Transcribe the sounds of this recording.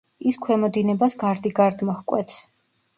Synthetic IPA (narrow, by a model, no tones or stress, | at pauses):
iskʰwɛmɔd̪inɛbasɡaɾd̪iɡaɾd̪mɔhkʼwɛ̰t̪s